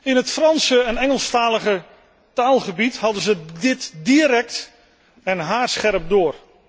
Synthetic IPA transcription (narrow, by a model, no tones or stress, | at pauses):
ɪnɦətfrɑnsəɛnɛŋəlˠstaːləχə | taːlˠχəbithɑdəzədɪtdiɾɛk̚t | ɛnɦaːrsχɛrəp̚dʊːr